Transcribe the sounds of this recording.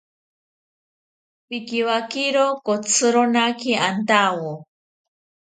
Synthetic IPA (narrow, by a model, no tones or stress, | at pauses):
pikiwakiɾokot͡sʰɨɾonakiant̪awo